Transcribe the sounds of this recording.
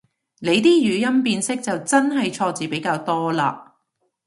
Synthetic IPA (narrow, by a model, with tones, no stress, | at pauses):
le˨˧jt̪iː˥jyː˨˧jɐ˥mpiː˧nsɪ˥k̚t͡sɐ˨wt͡sɐ˥nɦɐ˨jt͡ʃʰɔː˧t͡siː˨pe˨˥jkaː˧wt̪ɔː˥laː˧